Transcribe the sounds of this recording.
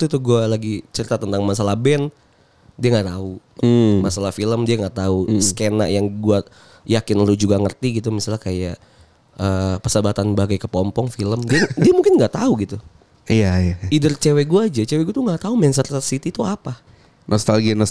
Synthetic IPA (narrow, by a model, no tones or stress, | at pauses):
t̪ut̪uɡualaɡit͡ʃəɾit̪at̪ənt̪aŋmas̬alahbɛn | diaŋɡaʔt̪aumasalahfiləmdiaŋɡaʔt̪auskena̰ʔjaŋɡua | jakɪnlud͡ʒuɡaŋərt̪iɡit̪umisalakajaʔ | əːpəsəbat̪anbaɡajkəpɔmpɔŋfiləmdiadiamuŋkɪnŋɡaʔt̪auɡit̪u | ijajaidərt͡ʃewɛɡuaːd͡ʒat͡ʃewɛɡuat̪uŋɡaʔt̪aumɛns̬ərərsit̪it̪uapa | nʔɔst̪alɡinɔ